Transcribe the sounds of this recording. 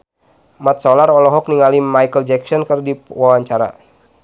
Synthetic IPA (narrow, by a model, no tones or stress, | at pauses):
mat̪̚sɔlaɾɔlɔɦɔk̚niŋalimajkəld͡ʒɛksɔnkərdiwawaɲt͡ʃaɾa̰